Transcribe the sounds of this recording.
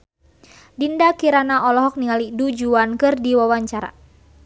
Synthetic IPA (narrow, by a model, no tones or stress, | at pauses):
dindakiɾanaʔɔlɔɦɔk̚niŋalidud͡ʒuankɨrdiwawaɲt͡ʃaɾa̰